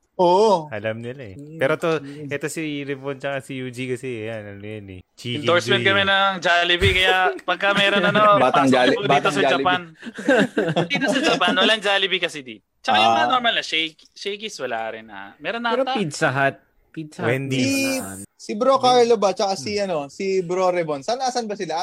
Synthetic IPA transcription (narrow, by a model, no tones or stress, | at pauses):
ʔoʔʔɐlɐmnɪlaɛɛːɾot̪oʔɛt̪o̞siɾɪpont͡ʃɐkasijud͡ʒikɐsɛɐjanɐnojonɛ̰t͡ʃioɹsmɛnkɐmɛnɐŋd͡ʒalɪbikɐjapɐɡ̚kamɛɾonɐnobt̪ːiːt̪osɐd͡ʒɐpan | d̪it̪osɐd͡ʒɐpanwɐlaŋd͡ʒaːlɪbikɐsɛd̪i | t͡ʃɐkajʊoɾmɐlnɐʃɛjk | ʃɛjkɪswɐla̰ːɾɪnɐ̰mɛːɾonːɐɾoppid̪̚sɐɦat̪̚ | piwɛnd̪i | sibɾokaɹlobat͡ʃɐkasiʔɐno̞sibɾoɾɛbonsɐnasɐnbɐsɪlaʔ